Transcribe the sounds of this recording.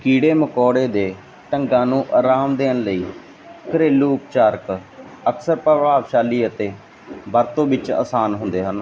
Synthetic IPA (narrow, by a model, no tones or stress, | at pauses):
kiːɽeːməkɔːɽeːd̪eː | ʈəŋɡãːnũːʔaːɾaːmd̪eːnləiː | kəɾeːlːuːp̚t͡ʃaːɾk | əksəɾpəʋaːʋʃaːliːət̪eː | bəɾt̪õːʋɪt͡ʃa̰ːsaːnɦʊ̃nd̪eːɦən